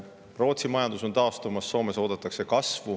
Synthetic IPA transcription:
pro̞ːt̪simɑjɑnd̪̥uso̞nt̪ɑost̪umɑsːo̞ːme̞so̞ːd̪̥ɑt̪ːˑɑkse̞kɑsvu

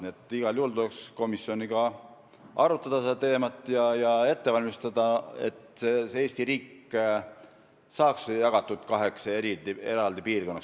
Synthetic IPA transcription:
niet̪ːˑiɡ̥ɑljuːld̪uleksko̞misjo̞niɡ̥ɑ | ʔɑɾut̪ːˑɑd̪̥ɑsed̪ɑt̪e̞ːmɑt̪ːˑjɑjɑe̞t̪ːevɑlʲmist̪ɑd̪̥ɑe̞̰t̪seee̞ːst̪iɾiːkː | sɑːksjɑɡ̥ɑt̪ːˑud̪̥kɑɦe̞kseɾid̪ie̞ɾɑld̪̥ipiːrko̞nːɑks

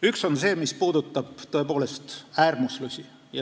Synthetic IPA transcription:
ykso̞nse̞ːmispuːd̪̥ut̪ːˑɑb̥t̪o̞e̞po̞ːle̞st̪æːrmuslusʲi | jɑ

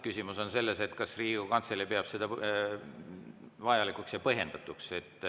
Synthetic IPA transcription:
kysʲimuso̞nse̞lːe̞se̞t̪ːkɑsriːɡ̥ukɑnselipeɑb̥sed̪̥ɑ | vɑjɑlikˑuksjɑpɤɦe̞nd̪̥ɑt̪ːˑukse̞t̪ːˑ

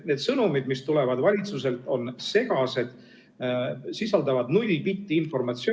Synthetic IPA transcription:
ne̞ːd̪̥sɤnumid̪mist̪ule̞vɑd̪̥vɑlʲit̪suse̞lt̪ːˑo̞nse̞ɡ̥ɑse̞d̪̥ | sisɑld̪ɑvɑd̪nulʲːipit̪ʲːiinfo̞rmɑt̪si

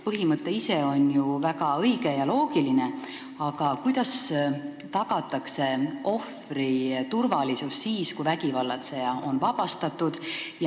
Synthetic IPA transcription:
pɤɦimɤt̪ːˑe̞ise̞o̞njuvæɡ̥ɑɤjɡe̞jɑlo̞ːɡiline̞ | ɑɡ̥ɑkujd̪̥ɑs | t̪ɑɡ̥ɑt̪ːˑɑkse̞o̞frit̪urvɑlisusːiːskujvæɡivɑlːɑt̪se̞jɑo̞nvɑb̥ɑst̪ɑt̪ːˑud̪̥jɑ

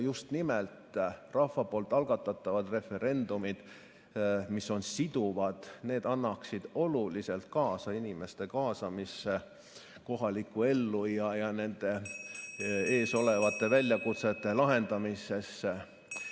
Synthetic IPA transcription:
just̪nimelt̪rɑfːɑpo̞ːlt̪ːˑɑlɡ̥ɑt̪ːˑɑt̪ːˑɑvɑd̪̥re̞fe̞ɾe̞nd̪umid̪̥ | miso̞nsid̪̥uvɑd̪̥ne̞ːd̪ɑnːɑksid̪̥o̞lulise̞lt̪kɑːsɑinime̞st̪e̞kɑːsɑmise | ko̞ɦɑlikːˑue̞lːujɑjɑne̞nd̪̥e̞ | e̞ːso̞le̞vɑt̪ːˑe̞vælʲjɑkut̪se̞t̪ːˑe̞lɑɦe̞nd̪̥ɑmise̞sːe

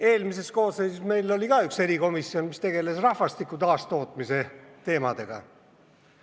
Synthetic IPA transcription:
eːlmise̞sko̞ːsːejsisme̞jlo̞lʲikɑykse̞ɾiko̞misːio̞nmist̪e̞ɡe̞lesrɑhvɑst̪ikːˑut̪ɑːst̪o̞ːt̪ˑmise̞t̪e̞ːmɑd̪̥e̞ɡ̥ɑ̰

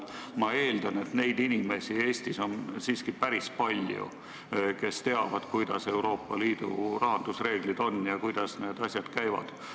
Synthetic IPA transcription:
mɑe̞ːld̪ɑne̞t̪ne̞jd̪inime̞sie̞ːsʲt̪iso̞nsiːskipæɾispɑlʲjṵ | ke̞st̪e̞ɑvɑd̪̥kujd̪̥ɑ̰se̞wɾo̞ːpːˑɑliːd̪̥ṵrɑɦɑnd̪̥usre̞ːɡ̥lid̪̥o̞nːjɑkujd̪̥ɑsneːd̪ɑsʲjɑd̪̥kæjvɑ̰d̪̥

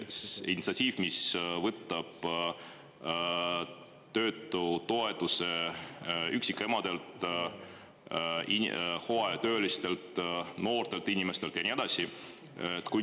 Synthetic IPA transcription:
ḭnʲit̪sɑt̪ʲiːvmisvɤt̪ːˑɑb̥ | t̪ø̞ːt̪ːˑut̪o̞e̞t̪ːˑuse̞ | yksike̞mɑd̪̥e̞lt̪ | ihoet̪ø̞ːlist̪e̞lt̪no̞ːrt̪e̞lt̪inʲime̞st̪e̞lt̪jɑnʲied̪ɑsi | t̪ːˑku

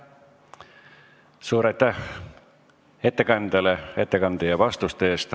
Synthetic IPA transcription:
suːɾɑjt̪ːæh | et̪ːe̞kɑnd̪̥elee̞t̪ːekɑnd̪̥ejɑvɑst̪ust̪eeːst̪

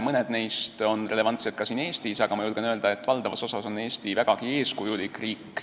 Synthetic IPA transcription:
mɤned̪̥ne̞jst̪o̞nre̞le̞vɑnt̪set̪̚kɑsiːne̞ːst̪isɑɡ̥ɑmɑjulɡ̥enøːld̪̥ɑe̞t̪ːˑvɑld̪̥ɑvɑso̞sɑso̞ne̞ːst̪ivæɡ̥ɑɡ̥ie̞ːskujulikˑriːkː

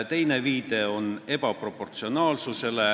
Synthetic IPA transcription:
t̪e̞jne̞viːd̪̥e̞o̞ne̞bɑpro̞pːˑo̞rt̪sio̞nɑːlsuse̞le̞

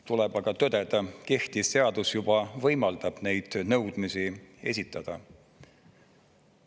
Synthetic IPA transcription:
t̪ulɛbɑɡ̥ɑt̪ød̪ed̪̥ɑke̞ht̪isːe̞ɑd̪̥usjub̥ɑvɤjmɑld̪̥ɑb̥ne̞jd̪̥nɤwd̪̥misie̞̰sʲit̪ːˑɑd̪̥ɑ

